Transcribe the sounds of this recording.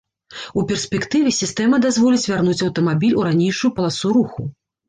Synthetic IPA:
upʲɛrsʲpʲɛkt̪ɨvʲɛsʲist̪ɛmɐd̪azvɔlʲit͡sʲvʲarnut͡sʲɐwt̪ɐmabʲilʲuɾanʲejʂujupɐlˠasuɾuxṵ

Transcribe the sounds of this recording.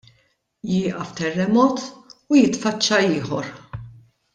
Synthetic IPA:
jɪːʔɐft̪ɛrːɛmɔːt̪ujɪt̪fɐt͡ʃːɐɪːħɔɾ

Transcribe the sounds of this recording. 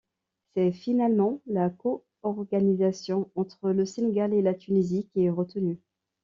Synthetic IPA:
sɛfinalmɑ̃lako | ɔʁɡanizasjɔ̃ɑ̃t̪χələseneɡalelat̪ʰynizikʲiɛʁət̪əny

